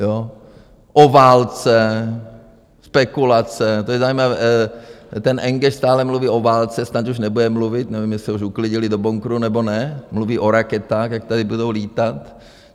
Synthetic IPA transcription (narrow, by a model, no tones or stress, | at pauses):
jo | ʔovaːlt͡sɛ | spɛkulat͡sɛt̪ojɛzaiːmavɛː | t̪ɛnʔɛŋɡɛʃst̪aːlɛmluviːʔovaːlt͡sɛsnat̪uʃnɛbudɛmluvɪt̪nɛvimjɛssɛuʃuklɪɟɪlɪdoboŋkɾunɛbonɛmluviːʔoɾakɛt̪aːxjak̚t̪adɪbudowliːt̪at̪